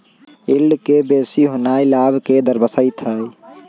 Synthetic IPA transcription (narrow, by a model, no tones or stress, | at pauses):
ɪlɖkebeːsiɦonaːilaːbked̪əɾbəsəit̪ʰəi